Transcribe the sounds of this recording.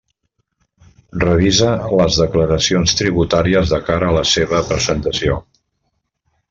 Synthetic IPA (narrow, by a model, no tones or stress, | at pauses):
rəβizələzðəkləɾəsionst̪ɾiβut̪aɾiəzðəkaɾəːləseβəpɾəzənt̪əsio